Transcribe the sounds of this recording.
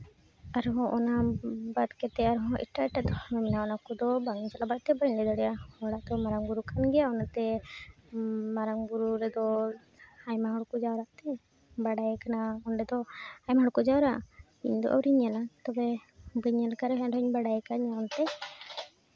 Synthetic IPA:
aɾɦɔ̃ʔɔnabat̪kɛt̪ɛaɾɦɔ̃ʔḭʈaɛʈad̪ɔɔmɛnaɔnakɔd̪ɔbaŋid͡ʒalabaʔt̪ɛbəɲɖɛd̪ɔɽɛjahɔɽaʔd̪ɔmaɾaŋɡuɾukanɡɛjaɔnat̪ɛ | maɾaŋbuɾuɾɛd̪ɔ | hajmaɦɔɽkɔd͡ʒawɾaʔt̪ɛ | baɖajɛkanaɔɳɖɛd̪ɔhajmaɦɔɽkɔd͡ʒawɾaʔ | iɲd̪ɔ̰ʔa̰wɾiɲalat̪ɔbɛbəɲalkaɾɛɦɛ̃ɖɔɲbaɽajɛkaɲaɔnt̪ɛ

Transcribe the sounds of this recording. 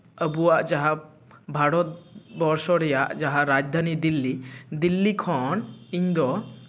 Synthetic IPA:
əbuaʔd͡ʒaɦa | bʱaɽɔt̪̚bɔɾsɔɽɛjaʔd͡ʒaɦaɾad͡ʒd̪ʱanid̪ilːid̪ilːikʰɔniɲd̪ɔ

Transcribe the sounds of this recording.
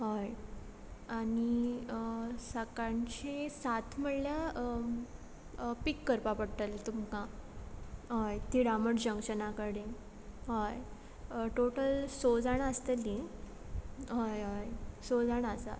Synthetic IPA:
ɦoj | aɽiəsakant͡ɕesat̪ʰməɽlja | pikːəɾpapəɽt̪əlt̪umkã | ɦojt̪iɽaməʈd͡ʑəŋkɕənakəɽe | ɦoj | ʈoʈəlsod͡zaɳəst̪əlĩ | ɦojɦojsod͡zaɳasa̰t̪

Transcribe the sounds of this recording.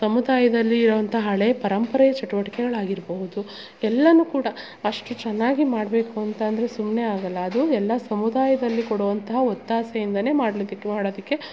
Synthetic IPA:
sɐmud̪aːjɐd̪ɐlːiːɾɐʋɐnt̪ʰɐɦɐɦɐɭepɐɾɐmpɐɾɐjɐt͡ʃɐʈuʋɐʈikɛɡɐɭaːɡiɾboɦud̪u | ɛlːɐnukuːɽɐ | ɐʂʈut͡ʃɛnːaːɡimaːɽbe̞ːkuɐnt̪ɐːnd̪ɐɾesumneaːɡɐlːɐːd̪uɛlːɐsɐmud̪aːjɐd̪ɐlːikɔɽuʋɐnt̪ɐɦɐot̪ːaːsɐjind̪ɐne̞ːmaːɽɐlod̪ikːmaːɽoːd̪ɐkːe̞

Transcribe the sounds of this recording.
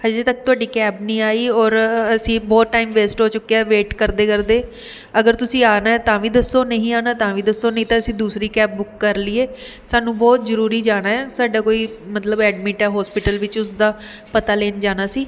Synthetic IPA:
həd͡ʒet̪ək̚t̪ʊaːɖiːkɛːbnĩːaːiːɔːɾəsĩːbɔːt̪̚ːaːiːmʋeːsʈɦoːt͡ʃʊkːeɛːʋeːʈkəɾd̪eːkəɾd̪eː | əɡəɾt̪ʊsĩːaːnaːɛt̪ãːʋiːd̪əsːoːnəɦĩːaːnaːt̪ãːʋiːd̪əsːoːnəɦĩːt̪ãːəsĩːd̪uːsɾiːkɛːp̚bʊkːəɾlɪːeː | saːnũːbɔːt̪zəɾuːɾiːd͡ʒaːnaːɦɛːsaːɖaːkoːiːmət̪ləbɛːɖmĩːʈɛːɦɔːspɪʈəlʋɪt͡ʃʊsd̪aː | pət̪aːleːnd͡ʒaːnaːsiː

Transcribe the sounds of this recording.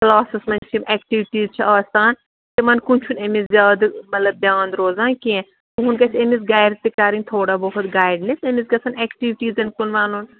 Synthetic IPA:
klaːsɐsmɐnt͡ʃʰimɛːkʈiːʋʈiːzt͡ʃʰɐaːst̪aːn | t̪emɐnkunt͡ʃʰunemiszjaːd̪mɐt̪lɐb̚d̪jãːnd̪ɾoːzaːnkiẽ | t̪uɦʊnkɐt͡ʃʰemisɡaːjɖt̪ikaːɾint̪ʰoːɽaːbɔɦʊt̪ɡaːɪɖnesemiskɐsɐnɛːkʈiːʋʈiːzɐnkunʋaːnun

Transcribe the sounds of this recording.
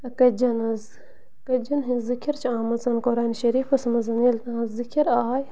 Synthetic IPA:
ɐkɐd͡ʒɐnɐz | kɐd͡ʒɐnɦĩzikʰiɾt͡ʃʰaːmɐzɐnkoɾaːnʃɐɾiːfɐsmɐzɐniːlt̪aːzzikʲʰiɾaːj

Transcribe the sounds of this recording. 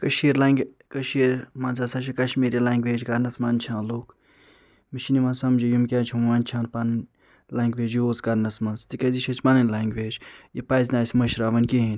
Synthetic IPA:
kɐʃiːɾlaŋɡʲ | kɐʃiɾmãnzasat͡ʃʰikɐʃmiːɾjilaːŋɡʋeːd͡ʒɡɐɾnɐsmɐːnt͡ʃʰãːloːk | miʃinimaːnsɐmd͡ʒijumkʲaːt͡ʃʰimʋaːnʲt͡ʃʰãːɾpannʲ | laːŋɡʋeːd͡ʒioːzɡɐɾnɐsmɐnzt̪ikɐziʃʰɐt͡ʃʰʲmanɐnʲlaːŋɡʋeːd͡ʒjipɐzʲnaːsʲmɐʃɾaːʋɐnʲkiɦinʲ

